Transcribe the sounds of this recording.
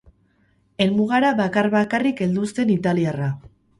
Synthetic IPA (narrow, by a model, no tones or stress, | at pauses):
e̞lmuɣaɾaβakaɾβakarike̞ld̪ust̪e̞nit̪aliara